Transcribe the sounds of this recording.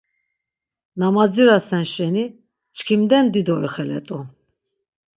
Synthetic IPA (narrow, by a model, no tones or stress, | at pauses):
namad͡ziɾasɛnʃɛni | t͡ʃkʰimd̪ɛnd̪id̪ɔiχɛlɛ̰t̪ʼu